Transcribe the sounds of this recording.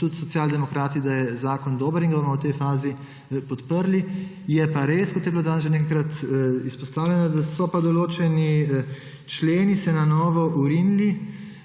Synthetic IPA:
t̪ut̪sɔt̪sjaːld̪ɛmɔkɾaːt̪id̪ajɛzaːkɔnd̪oːbəɾiŋɡabomɔwt̪ɛjfaːzi | pɔt̪pəɾli | jɛpaɾeskɔt̪jɛbiloːd̪aːnsʒeɛnekajkɾat̪ispɔst̪aːwlʲɛnad̪asɔpad̪ɔloːt͡ʃɛni | t͡ʃleːnisɛnanɔːʋɔʔuɾinli

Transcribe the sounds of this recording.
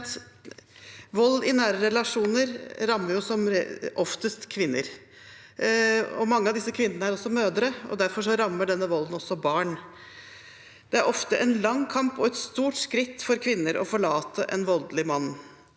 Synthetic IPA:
t̪ | ʋɔlːɪnæːɾəɾɛlɑʂuːnəɾɾɑmːəɾjʊsɔmɔft̪əst̪kʰʋɪnːə̰ɾ | ɔ̰mɑŋːəɑʋd̪ɪsːəkʰʋɪnːəɳəæɾɔsːɔmøːd̪ɾəɔ̰d̪æɾfɔʂɔɾɑmːəɖɛnːəʋɔlːənɔsːɔbɑːɳ | d̪̥ɛæɾʔɔft̪əʔɛnlɑŋːkʰɑmpɔɛt̪st̪uːʈskɾɪt̪ːfɔɾkʰʋɪnːəɾʔɔ̰fɔɭɑːt̪ʰəʔɛ̰nʋɔld̪lɪmɑnː

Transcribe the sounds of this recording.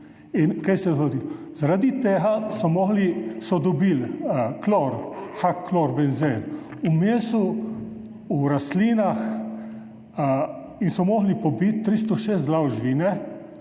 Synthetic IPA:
inkajsɛzɡɔd̪izaɾad̪it̪eːɦasɔmɔɣlisɔd̪ɔbilklɔɾxakʰːlɔɾbɛnzenumeːsu | uɾasliːnax | insɔmɔɣlipɔbit̪ːɾis̬t̪ɔʃeːs̬t̪zlawʒʋiːnɛ

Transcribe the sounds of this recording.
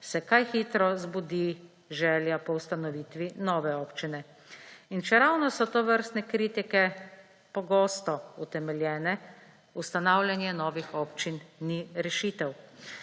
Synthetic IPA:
sɛkajxit̪ɾɔzbud̪i | ʒɛːljapɔust̪anɔʋiːt̪ʋinɔːʋɛɔːpt͡ʃinɛ | inʃɛɾawnɔsɔt̪oʋəɾst̪nɛkɾiːt̪ikɛ | pɔɡoːst̪ɔut̪ɛmɛljɛːnɛ | ust̪anawlʲjanjɛnɔːʋixɔːpt͡ʃinːiɾɛʃiːt̪ɛw

